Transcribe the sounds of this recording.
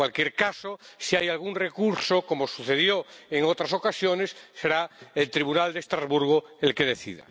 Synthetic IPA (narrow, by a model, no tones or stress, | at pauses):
walkjeɾkasosiajalɣ̞unrekuɾsoko̞mosuθe̞ðjoeŋot̪ɾaso̞kasjone̞sːeɾaelt̪ɾiβunald̪est̪ɾazβuɾɣ̞oelke̞ðe̞θḭða̰